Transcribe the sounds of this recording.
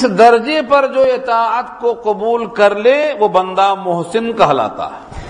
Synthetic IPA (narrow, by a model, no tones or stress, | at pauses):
sd̪ɐɾd͡ʒepɐɾd͡ʒoːɪt̪aːət̪koqʊbuːlkɐɾleʋobə̃nd̪amʊɦsɪnkɐɦla̰ːt̪a̰ː